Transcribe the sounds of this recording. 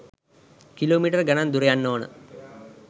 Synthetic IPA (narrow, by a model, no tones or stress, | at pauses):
kiloːmiːʈɐrɡɐnand̪uɾejanːoːnə̰